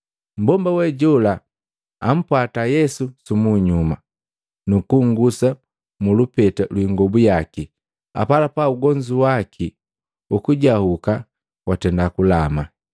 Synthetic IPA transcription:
m̩bɔmbawɛɟɔla | am̩pwatajɛsusumuɲuma | nukuŋɡusa | mulupɛtalwiŋɡɔbujaki | a̰palapauɡɔɲd͡ʒuwakʰi | ukuɟahuka | watɛndakulama

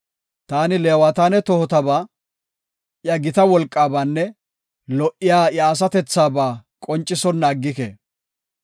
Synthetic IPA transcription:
t̪aːnɪleːwaːt̪aːnɛt̪ɔhɔt̪ɐbaː | ʔjɐɡɪt̪ɐwɔlkʼːaːbaːnːɛ | lɔʔɪjaːjaːs̬ɐt̪ɛt͡sːaːbaːkʼɔnt͡ʃʼːɪsɔnːaːɡːɪkḛː

